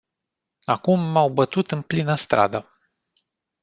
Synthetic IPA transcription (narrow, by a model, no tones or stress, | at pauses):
akumːawbət̪ut̪ɨnplinəst̪ɾa̰d̪ə